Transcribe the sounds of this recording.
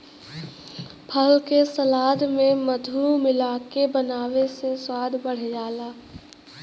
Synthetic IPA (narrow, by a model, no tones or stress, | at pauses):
pʰəlkesɐlaːd̪ʱmẽməd̪ʱumɪlaːkebənaːʋeseswaːd̪ʱbəɽ̤d͡ʒaːlaː